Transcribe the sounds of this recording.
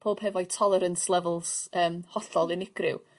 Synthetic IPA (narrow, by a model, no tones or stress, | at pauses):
pʰoːb̥hɛvɔjtʰɔlˠɛɾənslˠɛvəlˠsəːmhɔɬɔlˠɪnɪɡ̥rɪ̰w